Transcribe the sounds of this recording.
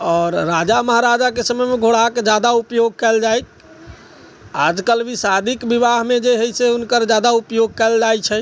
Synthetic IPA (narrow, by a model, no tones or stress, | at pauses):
ɔːɾɾad͡ʒaməɦaɾad͡ʒakesəməjmeɡʱoɽaked͡ʒad̪aupjoɡ̚kɛld͡ʒajk | a̰d͡ʒkəlʋisad̪ʱikbibaɦmẽd͡ʒeɦəjseunkəɾd͡ʒad̪aupjoɡ̚kɛld͡ʒajt͡ʃʰɛ